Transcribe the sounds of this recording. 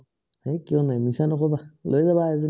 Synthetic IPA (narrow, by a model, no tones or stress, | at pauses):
hejkijɔ̃najmisanɔkɔbalojzabaɛzi